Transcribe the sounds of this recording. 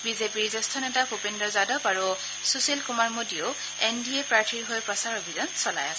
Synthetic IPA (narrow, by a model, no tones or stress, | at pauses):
bizepiɹzɔstʰɔnɛtakʰupendɔɹzadɔpaɹu | suselkumaɹmodio | endiepɹaɹtʰiɹiɦojpɹɔsaɹobʱizɔnsɔla̰jas